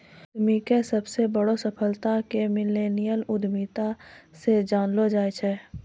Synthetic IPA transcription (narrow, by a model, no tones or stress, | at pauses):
d̪mikesəbsebəɽosəpʰəlt̪akemɪleːnijəlʊd̪mit̪ased͡ʒaːnlod͡ʒaːet͡ʃʰɛ